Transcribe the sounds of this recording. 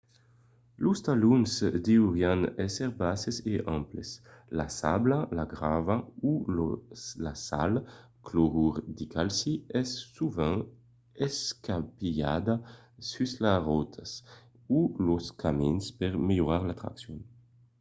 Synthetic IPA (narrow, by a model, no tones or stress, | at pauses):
lust̪alunzd̪iuʁjanɛseʁbaseseʔamplesla̰sablalaɡʁavaullasa̰l | kloʁuʁd̪ikʰalsiɛsːuvɛ̃ŋ | eskapia̰d̪a | syslaʁɔt̪ʰas | uloskaminspeʁmeloʁaʁlat̪ɾa̰ksjɔn